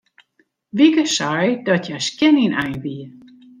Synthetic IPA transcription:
ʋikəsajdɔtjaskjɛninɛjʋiə

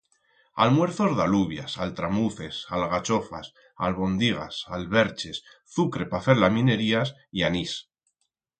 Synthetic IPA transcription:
almwe̞ɾθo̞zðaluβja̰salt̪ɾamuθe̞salɣat͡ʃo̞fa̰s | alβo̞nd̪iɣ̞a̰salβe̞ɾt͡ʃe̞s | θukɾe̞pafe̞ɾlamĩne̞ɾiasianis

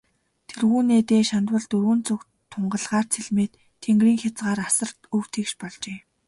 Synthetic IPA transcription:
t̪ʰerɣuːneːt̪eːʃant̪wə̆ɮt̪ɵɾɣɵ̆nt͡sɵk | t̪ʰːʊɴɢə̆ɮʁaːrt͡sʰeɮmeːt̪ʰːeŋɡriːŋxʲat͡sɢaːɾasə̆rt̪ɵwt̪ʰiːkʃpɔɮt͡ɕeː

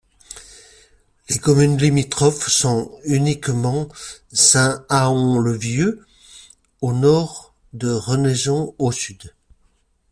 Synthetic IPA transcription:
lekɔmynlimit̪χɔfsɔ̃ynikmɑ̃sɛ̃aɔ̃ləvjø | onɔʁ | d̪əʁənezɔ̃osyd̪

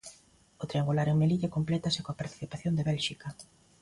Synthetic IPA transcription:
ot̪ɾiaŋɡulaɾeŋmeliʎakomplɛt̪asekoapaɾt̪i̥θipaθjond̪eβɛlʃikɐ

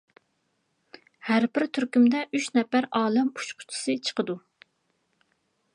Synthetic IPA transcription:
hæɾbɪɾt̪ʰyɾkʲymd̪ɛyʃnɛpæɾɑːlˠɛmu̥t͡ʃqʰʊ̥t͡ʃʰi̥sɨt͡ʃʰə̥qʰəd̪u

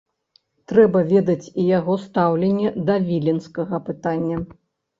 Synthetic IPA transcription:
t̪ɾɛbɐvʲɛd̪ɐt͡sʲijaɣɔst̪awlʲenʲːɛd̪ɐvʲilʲinskɐɣɐpɨt̪anʲːɐ

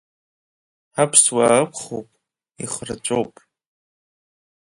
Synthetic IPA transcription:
apʰswakʷʰχo̰wpʼ | iχrɨt͡ʃʷʼo̞wpʼ

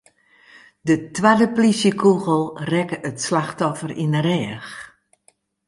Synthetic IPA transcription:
dətwadəplisjəkʰuɣəl̩ˠrɛkəʔətslaxtɔfərinəɾɛːx

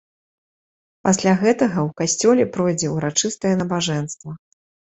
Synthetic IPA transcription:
pasʲlʲaɣɛt̪ɐɣɐwkasʲt͡sʲɔlʲɛpɾɔjd͡zʲɛuɾat͡ʂɨst̪ɐjɛnɐbaʐɛnst̪vɐ

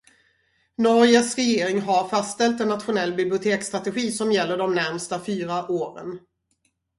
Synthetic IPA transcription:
nɔɾjəsɾɛjeːɾɪŋɦaɾfast̪ɛlt̪ɛnːat̪ɧʊnɛlːbɪblɪʊt̪ʰeːkst̪ɾat̪ɛɧiːsɔmjɛlːəɖɔmnæɾmst̪afyːɾaʔoːɾə̰n

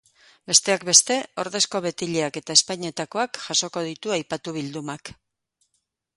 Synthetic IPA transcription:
be̞st̪e̞akbe̞st̪e̞o̞ɾðe̞sko̞βe̞t̪iʎeake̞t̪aespaɲe̞t̪ako̞akʝ̥aso̞ko̞ð̞it̪uajpat̪uβ̞ild̪umak

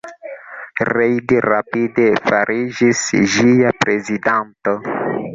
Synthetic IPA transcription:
rejd̪iɾapid̪efaɾʔiʒisʒiapɾezid̪ant̪ə

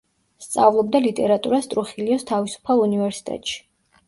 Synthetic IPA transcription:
st̪sʼa̰vlˠɔb̚d̪alit̪ʼɛɾat̪ʼuɾast̪ʼɾuχiliɔst̪ʰavisu̥pʰalˠunivɛɾsi̥t̪ʼɛ̰t̪ʼʃi̥

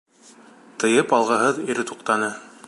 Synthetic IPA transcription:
t̪ɤ̆jɤpɑlˠʁɤ̆ɦɤðiɾɘt̪uqt̪ɑnɤ

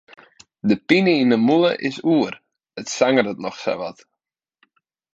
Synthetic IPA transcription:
dəpinəinəmulˠə̰ʔɪsuər | ətsaŋərdətnɔxsɛ̰ʋɔt

